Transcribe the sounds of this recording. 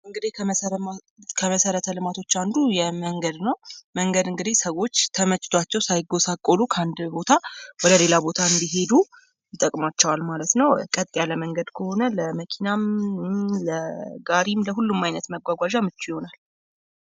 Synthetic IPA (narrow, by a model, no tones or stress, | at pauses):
ɨŋɡɨd̪i | kʰəməsəɾət̪ʰəlɨmat̪ʰo̞t͡ʃːand̪ujɛməŋɡəd̪nəwməŋɡəd̪ɨŋɡɨd̪isəwo̞t͡ʃːt̪ʰəmət͡ʃʼːɪ̥t̪ʰat͡ʃːɛwsajɪɡːo̞sakʼːolukʰəand̪bo̞t̪ʰawɔd̪əle̞labo̞t̪ʰaɨnd̪iɦe̞d̪u | jɪt̪ʼəkʼmat͡ʃːɛwalmalət̪nəwkʼət̪ʼjaləməŋɡəd̪kʰəho̞nələməkʰinam | ləɡaɾimləɦulːumːajnət̪məɡʷaɡʷaʒamɨt͡ʃːujɪho̞nal